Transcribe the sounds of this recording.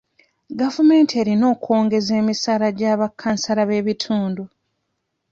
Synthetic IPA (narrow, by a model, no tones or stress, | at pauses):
ɡavume̞ːntie̞ːɾino̞ːko̞ːŋɡe̞ze̞ːmisaːlaɟaːβakʰːansalaβe̞ːβitʰuːndu